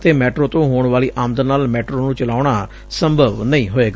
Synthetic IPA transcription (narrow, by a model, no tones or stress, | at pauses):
t̪eːmɛːʈɾoːt̪õːɦoːɳʋaːliːʔaːmd̪ənaːlmɛːʈɾoːnũːt͡ʃəlaːʊɳ̃aː | səmbʱəʋnəĩːɦoːeːɡ